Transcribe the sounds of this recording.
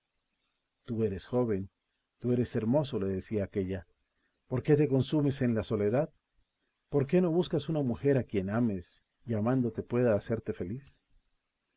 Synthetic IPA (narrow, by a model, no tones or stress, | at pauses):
t̪ue̞ɾesxo̞βe̞n | t̪ue̞ɾe̞se̞ɾmo̞so̞le̞ðesiaːke̞ʝa | po̞ɾke̞t̪̬e̞ko̞nsume̞se̞nlaso̞le̞ðað | po̞ɾke̞no̞βuskasunamuxe̞ɾakje̞name̞s | iamãnd̪o̞t̪epwe̞ðaːse̞ɾt̪e̞fe̞lis